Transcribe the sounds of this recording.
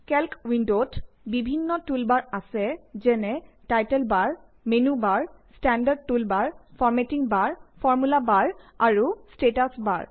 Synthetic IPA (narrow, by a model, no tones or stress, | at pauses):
kɛlkwindot | bibʱinːɔtulbaɹasɛzɛnɛ | tajtɛlbaɹ | menubaɹstandad̚tulbaɹfʰɔɹmetiŋbaɹfʰɔɹmulabaɹaɹustetasba̰ɹ